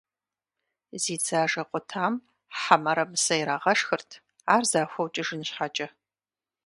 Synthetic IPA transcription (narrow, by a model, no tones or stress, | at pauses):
ziːd͡zaːʒɐqʷʼʊtʰaːm | ħamɐɾɐmɨsɐjɾaːʁɐʂxɨrtʰ | aːrzaːxʷɐwt͡ʃʼɪʒɨnɨɕħat͡ʃʼɐ